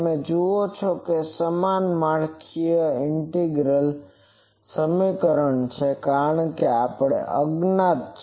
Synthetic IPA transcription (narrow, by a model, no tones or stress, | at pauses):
mẽd͡ʒoot͡ʃʰokesəmanmaɽkʰijəɪɳʈeɡɾəl | səmikəɾəɳt͡ʃʰekaɾəɳkeapɽḛʔəɡnat̪̚ʰ